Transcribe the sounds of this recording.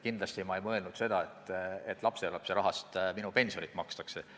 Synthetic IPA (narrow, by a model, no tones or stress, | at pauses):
kind̪lɑst̪imɑejmɤe̞lnud̪̥se̞d̪̥ɑe̞t̪ːˑet̪ːˑlɑpse̞lɑpseɾɑɦɑst̪minupe̞nʲsionit̪ːˑmɑkst̪ɑkse̞